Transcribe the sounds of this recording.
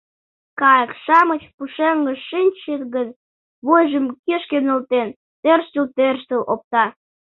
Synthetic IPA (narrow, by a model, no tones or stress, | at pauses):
kɑjəkʃɑmət͡ɕpuʃeŋɡəʃʃinʲʃet̪ɣən | βojʒəmkeʃkenəlt̪en | t̪ørʃt̪əlt̪ørʃt̪əlʔop̚t̪ɑ